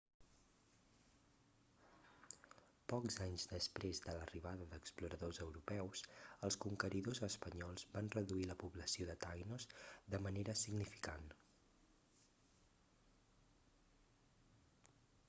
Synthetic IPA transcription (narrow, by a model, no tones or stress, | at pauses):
pɔkzaɲzd̪əspɾezd̪ələriβ̞aðəðəkspluɾəðozəwɾupɛwsəlˠskuŋkəɾiðozəspəɲɔlˠzbanrəðuiləpuβləsioðət̪ajnozd̪əməneɾəsiɡnifi̥kan